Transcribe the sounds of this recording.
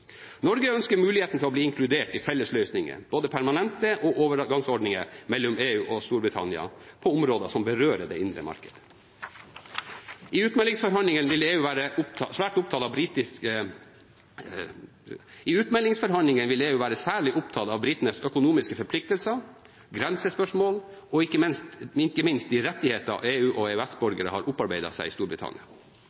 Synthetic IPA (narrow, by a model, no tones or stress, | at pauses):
nɔɾɡəœnskəɾmʉːlɪheːt̪n̩t̪ʰɪlɔbliːɪŋkʰlʉd̪eːʈɪfɛlːəslœʏsnɪŋə̰b̥oːd̪əpʰæɾmɑnɛnt̪əʔɔʔoːʋəɾɡɑŋsɔɖɳɪŋəmɛlːʊmeːʉːʔɔst̪uːɾbɾɪt̪ʰɑ̰nɪɑ̰pʰɔʊmɾoːd̪əsɔmbəɾøːɾəɖɛ̰ːʔɪnd̪ɾə̰mɑ̰ɾkəd̪̥ə | ʔɪʉːt̪mɛlɪŋsfɔɾɦɑnlɪŋənʋɪleːʉːʋæːɾəʔʊpʰsʋæːʈʊp̚t̪ɑːt̪ɑbɾiːt̪ɪskə | ɪʉːt̪mɛlːɪŋsfɔɾɦɑnlɪŋənʋɪleːʉːʋæːɾəsæːɭɪʔʊp̚t̪ʰɑːt̪ɑʋbɾɪt̪ənəsœkʊnuːmɪskəfɔɾpʰlɪk̚t̪əlsə | ɡɾɛnsəspœʂmoːlɔɪkːəmɪnst̪ɪkːəmɪnst̪̚d̪ɪɾɛt̪ːɪheːt̪ɑ̰ʔeːʉːʔɔeːʉæsbɔɾɡəɾə̰hɑɾʔʊpːɑɾbeɪd̪ɑ̰sæɪɪst̪uːbɾɪt̪ʰɑ̰nɪɑ